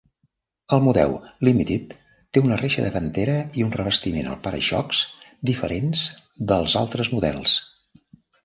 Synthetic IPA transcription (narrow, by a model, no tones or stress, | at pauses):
əlˠmuðɛ̰wlimit̪it̪ː | eunəreʃə̰ðəβənt̪eɾəiunrəβəst̪imenə̰lˠpaɾə̰ʃɔ̰ksd̪ifəɾʔenz | d̪əlˠza̰lˠt̪ɾəzmuðɛ̰lˠs